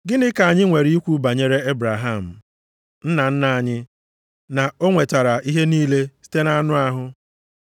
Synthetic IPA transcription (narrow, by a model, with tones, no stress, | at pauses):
ɡɪ˦nɪ˦ka˨a˨ɲɪ˦ŋʷe˨ɾi˦i˦kʷu˦ba˨ɲe˦ɾe˦e˦bɾa˨ɦa˦m̩˨ | n̩˦na˨n̩˦na˨ɲɪ˦ | na˨o˦ŋʷe˨ta˨ɾa˨i˦ɦe˦niː˦le˦si̥˦te˦na˦a˦nʊ˦a˦ɦʊ˦